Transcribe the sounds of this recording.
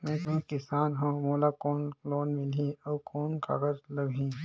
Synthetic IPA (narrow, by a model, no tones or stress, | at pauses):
mɛ̃t̪ʊ̃nkɪsaːnɦõːmoːlakoːnloːnmɪlɦiɔːkoːnka̰ːɡəɾlɐbʱĩ